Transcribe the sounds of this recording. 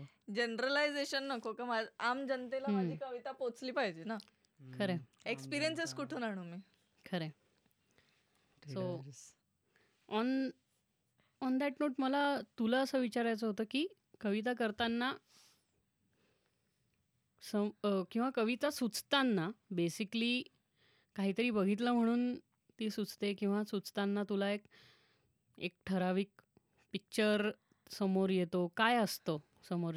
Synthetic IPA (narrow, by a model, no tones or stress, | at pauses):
d͡ʑenɾəlajd͡zeɕənːəkokemad͡zamd͡ʑənt̪elaɦmad͡ʑikəʋit̪apot͡sliːpaɦid͡ʑiːna | kʰəɾeekspiɾijənseskuʈʰunaɽ̃umiː | kʰəɾe | so | ɔn | ɔnd̪æʈnoːʈməlat̪ulaəsəːʋit͡ɕaɾajt͡səɦot̪əːkiː | kəʋit̪̬ak̬əɾt̪anːa | səkĩw̃ʋakəʋit̪asut͡st̪anːabesikliː | kaɦiːt̪əɾiːbəɡʱit̪̬ləm̤əɽ̃uːn | t̪iːsut͡st̪ekĩw̃ʋasut͡st̪anːat̪ulaek | ek̚ʈʰəɾaʋiːk̚ | pik̚t͡ɕəɾ | səmoɾjet̪okajəst̪o | səmoɾ